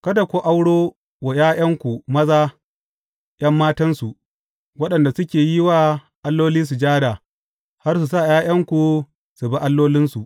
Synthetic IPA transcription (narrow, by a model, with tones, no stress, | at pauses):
kɐ˦da˨kʷo˦ʔa˦wɽoː˦ | wa˨j̰aː˦j̰ɐ˦ŋkʷu˨mɐ˦zaː˦ | j̰ɐ˦mːaː˦tɐ˦nsu˨ʔ | wɐ˦ɗɐ˨nda˨sʊ˦kʲeː˨ji˦waː˦ | ʔa˦lːoː˦liː˦s̬u˨d͡ʒaː˦da˨ | ha˦rs̬u˨s̬a˦˨jaː˦j̰ɐ˦ŋkʷu˨ | su˨ba˦ʔa˦lːoː˦lɪ˦nsu˨ʔ